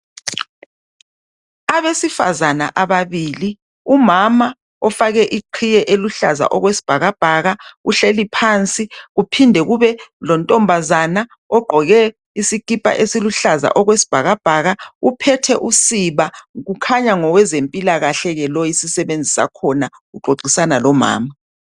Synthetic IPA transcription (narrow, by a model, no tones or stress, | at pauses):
aβesifa̰zana̰ʔaβaβili | umama | ɔfaɣɛʔiǃʰijɛʔeluɬaza̰ʔɔɣwesi̥b̥ʱaɣab̥ʱaɣauɬelipʰant͡sʼiɣupʰindʱɛɣuβɛlɔntʼɔmbʱazana | ɔɡ͡ǃʱɔɣɛ | isikipʼa̰ʔesiluɬaza̰ʔɔɣwesi̥b̥ʱaɣab̥ʱaɣaupʰɛtʰɛʔusiβaɣukʰaɲaŋɔwɛzempʼilaɣaɬɛɣɛlɔjisisɛβend͡zʱisa̰kʰɔnaɣuɡ͡ǃʱoɡ͡ǀʱisanalɔma̰ːma